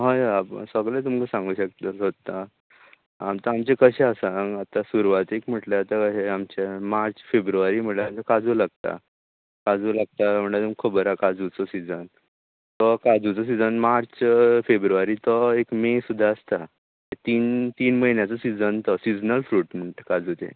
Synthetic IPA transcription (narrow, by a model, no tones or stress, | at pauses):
ɦaja̰səɡlet̪̬umkəsãŋɡuːɕək̚t̪aɦot̪ːa | amt̪aamt͡ɕekəɕɛəsaŋɡat̪asuɾʋat̪ekm̤əʈleat̪aəɕeamt͡ɕemaɾt͡sfebɾuʋaɾiːm̤əʈleamt͡sakad͡zulaɡ̚t̪a̰ | kad͡zulaɡ̚t̪am̤əɳat̪umkʰːəbəɾakad͡zut͡sɔsid͡zən | t̪ɔkad͡zut͡sɔs̬id͡zənmaɾt͡sfebɾuʋaɾiːt̪ɔekmẽsud̪ʱːaəst̪a | et̪iːnt̪iːnməɦinjat͡sɔsid͡zənt̪ɔsid͡znəlfɾuːʈm̤əɳʈ̪əkad͡zut̪ḛ̃